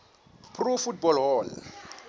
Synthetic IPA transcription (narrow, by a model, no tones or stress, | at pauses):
pʰrɔfutbɔlɦɔːl